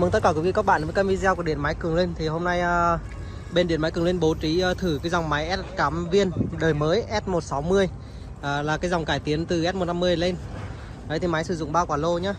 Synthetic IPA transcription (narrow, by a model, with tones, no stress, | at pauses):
mɨ˨˩ŋt̪ə˦t̚kaː˧˩wvi˧ka˦˥k̚ɓa̰ː˧˨nvə˨˦jkaː˧mvi˧zɛː˧ku˧˩ɗḭ˧˨ənma˨˦jkɨ˨˩əŋli˧nt̪ʰi˨˩ɦo˧mna˧jʔ | ɓe˧nɗi˧˩ənma˨˦jkɨ˨˩əŋwi˧ənɓo˨˦t͡ɕi˨˦ʔəː˨˧t̪ʰɨ˧˩kaː˨˦jzɔ˨˩wŋ͡mma˨˦jʔɛ˦˥t̚kaː˨˦mvi˧ənɗəː˨˩jməː˨˦jʔɛ˦˥t̚mo˨˩t̚sa˨˦wmɨ˧əj | ʔːlaː˨˩kaː˨˦jzɔ˨˩wŋ͡mkaː˧˩jt̪i˨˦ənt̪ɨ˨˩ʔɛ˦˥t̚mo˨˩na˧mːɨ˧əjle˧n | ɗə˨˦t̪ʰi˨˩ma˨˦jsɨ˧˩zʊ̰˧˨ŋ͡mɓaː˧kwaː˧˩lo˧ɲaː˨˦